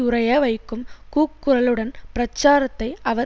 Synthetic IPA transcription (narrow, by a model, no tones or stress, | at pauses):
ʊɾɐjɐʋɐɪkːɯmkuːkːɯɾɐlɯɽɐnpɪɾɐt͡ʃːaːɾɐt̪ːɐɪɐʋɐ